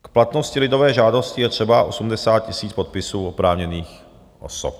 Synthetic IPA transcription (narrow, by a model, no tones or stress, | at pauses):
kplat̪no̞scɪlɪdo̞vɛːʒaːdo̞scɪjɛt̪r̥ɛbaʔosumdɛsaːt̪̚cɪsiːt͡spot̪̚pɪsuːʔopɾaːvɲɛniːx | ʔo̰sop